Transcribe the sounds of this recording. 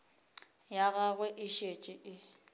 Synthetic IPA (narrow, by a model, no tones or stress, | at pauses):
jaɣaɣwɛʔɪʃet͡ʃʼɪʔɪ